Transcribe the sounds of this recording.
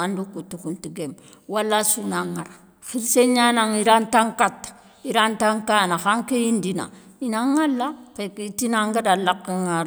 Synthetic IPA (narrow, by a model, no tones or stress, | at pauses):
andukutːukuntiɡem | walːasunaŋaɾa | xilseɲanaŋiɾantaŋkat | iɾantaŋkanaxaŋkeindina̰ | inaŋːalːakekitinaŋɡadalakːiŋaɾ